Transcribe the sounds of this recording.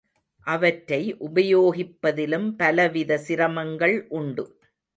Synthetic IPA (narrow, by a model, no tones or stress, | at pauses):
ʔɐʋɐʈɾɐɪʔʊbɐjoːɣɪpːɐðɪlɯmpɐlɐʋɪðɐsɪɾɐmɐŋɡɐɭʔʊɳɖɯ